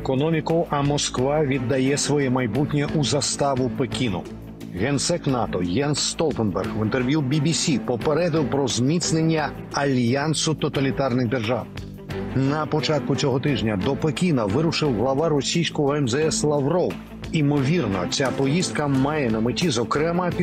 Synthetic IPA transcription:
ekɔnɔmʲikʊʔɐmɔskʋaʋʲid̪ːɐjɛsʋɔjɛmɐjbutʲnʲɐʔuzɐst̪ɑʋʊpekʲinʊ̰ | ɣɛnsɛknɑt̪ɔjɛnsːt̪ɔlˠt̪enbɛrɣʋɪnt̪erʋʲjubʲibʲisʲipɔpeɾɛd̪ɪwpɾɔzmʲit̪snenʲːɐ | ɐlʲjansʊt̪ɔt̪ɐlʲit̪ɑrnɪɣd̪erʒaw | nɐpɔt͡ʃat̪̚kʊt͡sʲɔɦɔt̪ɪʒnʲɐd̪ɔpekʲinɐʋɪɾʊʃɪwɦlˠɐʋaɾɔsʲijsʲkɔɦɔɛmzɛɛslˠɐʋɾɔw | imɔʋʲirnɔ̰t͡sʲapɔjist̪̚kɐmɑjɛnɐmɪtʲizɔkɾɛmɐpʲ

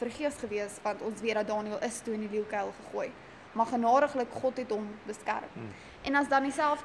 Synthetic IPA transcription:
fərχiəsχəviəsvɐntɔnsviədɐt̚dɑːniəlˠʔəstuəndiliwkɛjlˠχəχuəj | mɑχənɑːɾəχləkχɔtɦɛtɦɔmbəskæ̰rm | ʔɛnɐsdɐnisælˠf

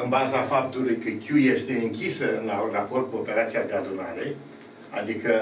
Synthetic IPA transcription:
ɨnbazafap̚t̪ulujkəkʲuje̞st̪e̞ɨŋkʲisəɨnlarapo̞rt̪̚kuope̞ɾat̪siad̪e̞ad̪unaɾe̞ | a̰d̪ikə

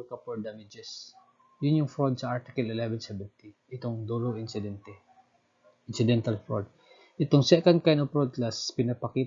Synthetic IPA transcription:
kɐpɔd̪amɪd͡ʒɛs | jʊnjʊŋfɹod̪̚sɐʔaɹt̪ɪkɐlɪlɛvɛnsɛvɛnt̪iʔɪt̪oŋd̪uɾoʔɪnsɪd̪ɛnt̪ɛ | ɪnsɪd̪ɛnt̪ɐlfɹod̪̚ | ʔɪt̪oŋsɛkand̪̚kajnopɹod̪̚laspɪnɐpɐki

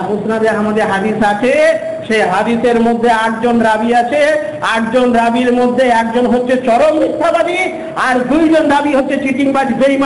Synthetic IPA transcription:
mosnad̪eamad̪eɾɦad̪isat͡ɕʰe | ʃeɦad̪iseɾmod̪ʱːeaʈ̚d͡ʑonɾabiat͡ɕʰe | aʈ̚d͡ʑonɾabiɾmod̪ʱːeɛk̚d͡ʑonɦotːʃʰet͡ɕɔɾomːit̪ʰːabad̪i | aɾd̪ujd͡ʑond̪abiɦotːɕʰet͡ɕiʈiŋbad͡ʑbejma

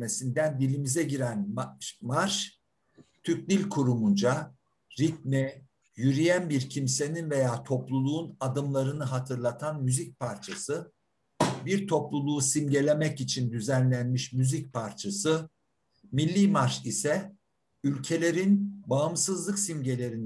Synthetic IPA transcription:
me̞sind̪ænd̪ilʲimizɛɟiɾænmaɾʃ | t̪ʰyc̚d̪ilʲkʰuɾumund͡ʒa | ɾit̪̚mɛ | jyɾijænbiɾcʰimse̞ninve̞jaːt̪ʰo̞plˠulˠuːnad̪ɯmlˠaɾɯnɯɦat̪ʰɯɾlˠat̪ʰanmyzic̚pʰaɾt͡ʃʰasɯ | biɾt̪ʰo̞plˠulˠuːsimɟe̞lʲe̞mɛcit͡ʃʰind̪yzænlʲænmiʃmyzic̚pʰaɾt͡ʃʰasɯ | milʲːiːmaɾʃisɛ | ylʲcʰe̞lʲe̞ɾinbaɯmsɯzlˠɯksimɟe̞lʲe̞ɾin

